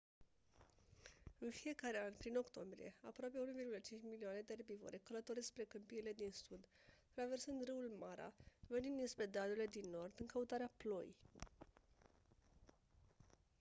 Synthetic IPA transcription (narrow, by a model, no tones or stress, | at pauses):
ɨnfije̞kaɾe̞anpɾino̞kt̪o̞mbɾḭje̞̰apɾoape̞unuvirɡulət͡ʃint͡ʃmilioane̞d̪earbivo̰ɾekələt̪o̞ɾd̪espɾe̞kɨmpiile̞d̪insud̪ | t̪ɾave̞rsɨnd̪rɨulmaɾa̰venind̪inspɾe̞d̪ad̪ule̞d̪inːo̞rd̪ɨŋkəut̪aɾeaplo̞jḭj